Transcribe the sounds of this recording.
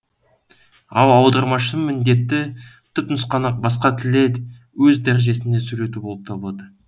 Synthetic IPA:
ɑw̪ˠɑwd̪ɑɾmɑʃəmɪnd̪e̞t̪ːɪ | t̪ʰʏpnəsqɑnɑq̚bɑsqɑt̪ʰɪle̞d̪ɪ | wɵzd̪æɾeʒe̞sɪne̞sɵɾe̞t̪ubo̞lˠəp̚t̪ʰɑbəlˠɑd̪ə

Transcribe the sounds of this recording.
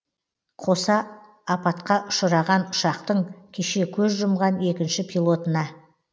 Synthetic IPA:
qʰo̞sɑː | pɑt̪qɑʔʊ̥ʃəɾɑʁɑnʊʃɑqt̪əɴkʲʰe̞ʃe̞kʲʰɵzʒʊmʁɑne̞kʲɪnʃɪpʰilˠo̞t̪ənɑ

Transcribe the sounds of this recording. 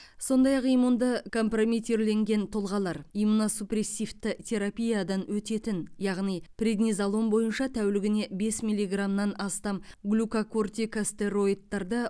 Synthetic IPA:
so̞nd̪ɑjɑqijmund̪əkʰo̞mpromit̪e̞ɾle̞ŋɡʲe̞nt̪ʰolˠʁɑlˠɑɾimunosupre̞sʲift̪ɪt̪ʲʰe̞ɾapʲijad̪ɑnwɵt̪e̞t̪ɪnjɑʁnijprʲed̪nʲizalˠo̞nbo̞jənʃɑt̪ʰæwlɪɡʲɪne̞be̞smilʲːiɡramnɑnɑst̪ɑmɡlʲukakort̪ʲikast̪e̞ɾo̞jd̪ːɑɾd̪ə

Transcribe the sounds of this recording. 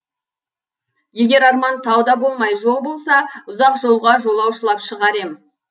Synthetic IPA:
je̞ɡʲe̞ɾɑɾmɑnt̪ʰɑwd̪ɑbo̞lˠmɑjʒo̞lˠbo̞lˠsɑʊzɑqʒo̞lˠʁɑʒo̞lˠɑwʃəlˠɑpʃəʁɑɾe̞mɪ

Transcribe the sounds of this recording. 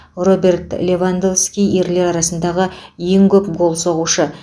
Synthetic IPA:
ro̞be̞rt̪lʲe̞vand̪ofskʲije̞ɾle̞ɾɑɾɑsənd̪ɑʁəje̞ŋkʲʰɵp̚bo̞lˠso̞ʁuʃə

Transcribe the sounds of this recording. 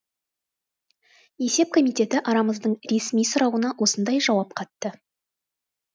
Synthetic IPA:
je̞se̞p̚kʰo̞mijt̪e̞t̪ɪʔɑɾɑməzd̪əɴɾe̞smijsʊɾɑwənɑwʔo̞sənd̪ɑjʒɑwɑp̚qʰɑt̪ːə

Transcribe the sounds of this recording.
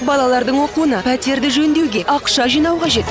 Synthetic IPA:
bɑlˠɑlˠɑɾd̪əɴwo̞quənɑpʰæt̪e̞ɾd̪ɪʒɵnd̪e̞wɡʲe̞ʔɑqʃɑʒijnɑwqʰɑʒe̞t̪

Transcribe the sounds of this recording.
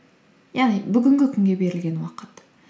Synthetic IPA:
jɑʁnijbʏɡʲɪŋɡʲɪkʲʰʏŋɡʲe̞be̞ɾɪlɡʲe̞nwɑqət̪

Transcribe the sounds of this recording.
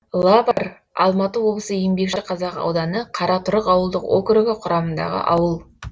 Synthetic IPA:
lˠapɑɾ | ɑ̰lˠmɑt̪əwo̞blˠəsəjembe̞kʃɪqʰɑzɑqɑ̰wd̪ɑnəqʰɑɾʔɑt̪ʰʊɾəqɑwəlˠd̪əqo̰kɾʊɡʲaqʰʊɾɑmənd̪ɑ̰ʁə̰ʔɑwəlˠ

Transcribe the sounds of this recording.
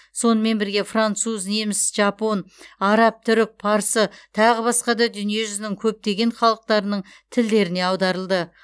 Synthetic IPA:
so̞nəme̞nbɪɾɡʲe̞frant̪suznemɪsʒɑpo̞nɑɾɑp̚t̪ʰʏɾɪk̚pʰɑɾsət̪ʰɑʁəbɑsqɑd̪ɑd̪ʏnije̞ʒʏzɪnɪŋkʲʰɵp̚t̪e̞ɡʲe̞ɴχɑlˠəq̚t̪ɑɾənəɴ | t̪ʰɪld̪e̞ɾɪne̞ɑwd̪ɑɾəlˠd̪ə

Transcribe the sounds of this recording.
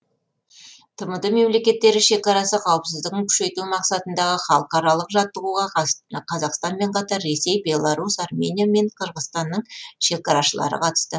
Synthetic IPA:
t̪ʰəməd̪əme̞mle̞kʲe̞t̪ːe̞ɾɪʃe̞kɑɾɑsəqʰɑwəpsɪzd̪ɪɡʲɪŋkʲʰʏ̥ʃe̞jt̪umɑqsɑt̪ənd̪ɑʁəχɑlˠəqɑɾɑlˠəqʒɑt̪ːəʁuʁɑqʰɑzɑqst̪ɑnme̞ɴqʰɑt̪ɑɾːe̞se̞jbe̞lˠaɾusɑrmʲe̞nʲijame̞ɴqʰəɾʁəst̪ɑnːəɴʃe̞kɑɾɑʃəlˠɑ̰ɾə̰qʰɑt̪ə̥st̪ə

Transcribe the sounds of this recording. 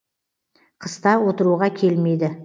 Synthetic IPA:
qʰəst̪ɑwo̞t̪əɾuʁɑkʲʰe̞lme̞jd̪ɪ

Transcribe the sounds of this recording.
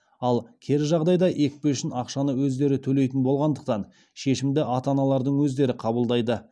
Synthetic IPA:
ɑlˠkʲʰe̞ɾʒɑʁd̪ɑjd̪ɑʔek̚peʃɪnɑqʃɑnəwɵzd̪e̞ɾɪt̪ʰɵle̞jt̪ɪnbo̞lˠʁɑnd̪əqt̪ɑn | ʃe̞ʃɪmd̪ɪʔɑt̪ɑnɑlˠɑɾd̪əɴwɵzd̪e̞ɾɪqʰɑbəlˠd̪ɑjd̪ə

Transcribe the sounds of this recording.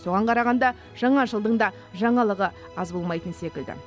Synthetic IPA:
so̞ʁɑɴqʰɑɾɑʁɑnd̪ɑ | ʒ̥ɑɴɑʒəlˠd̪əɴd̪ɑ | ʒɑɴɑlˠəʁə | ɑzbo̞lˠmɑjt̪ənse̞kʲɪld̪ɪ̰

